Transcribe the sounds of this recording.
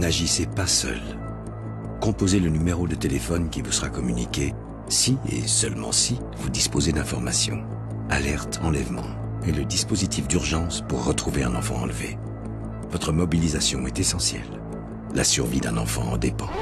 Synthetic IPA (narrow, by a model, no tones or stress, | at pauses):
naʒisepasœ̰l | kɔ̃pozelənymeʁod̪ət̪elefɔnkʲivusəʁakɔmynikʲe | siḛsœlmɑ̰̃si | vud̪ispozed̪ɛ̃fɔʁmasjɔ̰̃ | a̰lɛʁt̪ʰɑ̃lɛvmɑ̰̃ | eləd̪ispozit̪ʰifd̪yʁʒɑ̃spuʁːət̪χuveɛ̃nɑ̰̃fɑ̰̃ɑ̰̃lvḛ | vɔt̪χəmɔbilizasjɔ̃ɛt̪esɑ̃sjɛ̰lː | a̰syʁvid̪ɛ̰̃nɑ̰̃fɑ̃ɑ̰̃d̪epɑ̃